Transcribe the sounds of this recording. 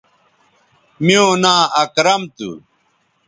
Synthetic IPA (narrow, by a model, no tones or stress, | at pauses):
miõːnãːɐkɾɐmt̪ṵ